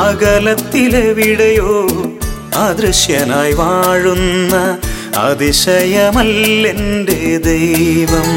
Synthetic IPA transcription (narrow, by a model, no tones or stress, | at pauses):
ɐɡɐlɐt̪ːileʋiɽɐjoː | ɐd̪ɾiʂjɐnaːjʋaːɻunːɐɐ̰d̪iʂɐjɐmɐlːeɳɖed̪ɐjʋɐm